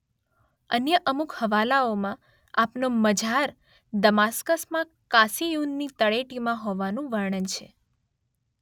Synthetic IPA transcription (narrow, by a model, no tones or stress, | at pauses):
ənjəʔəmukhəʋalaomã | apnoməd͡ʒʱaɾ | d̪əmaskəsmã | kasijunːit̪əɭeʈimãɦoʋanũʋəɾɳ̃ənt͡ʃʰe